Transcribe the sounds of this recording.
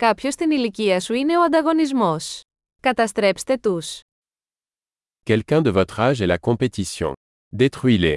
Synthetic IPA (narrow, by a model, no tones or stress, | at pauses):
kɐpço̞st̪iniliciɐsuine̞o̞ɐ̃nd̪ɐɣo̞nizmo̞s | kɐt̪ɐst̪ɾe̞pst̪e̞t̪us | kʲɛlkʲɛ̃d̪əvɔt̪χaʒɛlakɔ̃pet̪isjɔ̰̃ | d̪et̪χɥile